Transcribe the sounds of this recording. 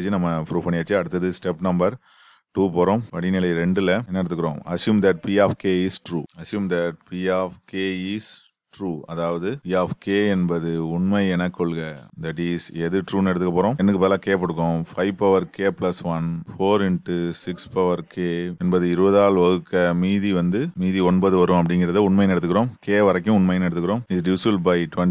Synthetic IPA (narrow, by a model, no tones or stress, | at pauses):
t͡ʃːɯnɐmːɐpɾuːʋpɐɳːɪjaːt͡ʃːɯɐɽɯt̪ːɐðɯsʈɛpːnɐmbɐɾ | ʈuːpoːɾõpɐɽinɪlɐɪɾɛɳɖɯlɐɛnːɐɛɽɯt̪ːɯkːɯɾõːɐsjuːmd̪ɐʈ̚piaːfkeːisʈɾuːɐsjuːmd̪ɐʈ̚piːaːfkeːiːs | ʈɾuːɐðaːʋɐðɯpiːaːfkeːɛnbɐðɯʊɳmɐɪɛnɐkːɔɭɯɡɐd̪ɐʈ̬iːsɛðɯʈɾuːnɛɽɯt̪ɯkːɐpoːɾõːɛnːɯkːɯpeːlakeːp̬ɐɽɯk̬ːõfɐɪʋpːɐʋɐɾkeːplɐsʋɐnfoːɾɪɳʈusɪkspɐʋɐɾkʰeːɛnbɐðɯɪɾɯbɐðaːlʋɐɣɯkːɐmiːðiʋɐnd̪ɯmiːðiɔɳbɐðɯʋɐɾɯ̃ɐp̬ːɐɽɪŋɡɪɾɐðɯʊɳmɐjnɛɽɯt̪ːɯkːɪɾõːkeːʋɐɾɐk̬ːʊ̃ʊɳmɐjnɛɽɯt̪ːɯkːɾõːmiɖjuːsulbɐɪʈʋɛ